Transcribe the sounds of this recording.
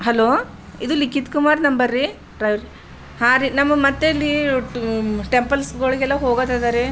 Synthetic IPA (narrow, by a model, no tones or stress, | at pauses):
ɦɐloː | id̪ulikːit̪kumaːɾnɐmbɐɾːi | ɾɐʋɾi | haːɾinɐmːɐmɐt̪ːeilːi | ʈempɐlsɡoːɭiɡɛlːɐɦoːɡɐt̪ajd̪aɾe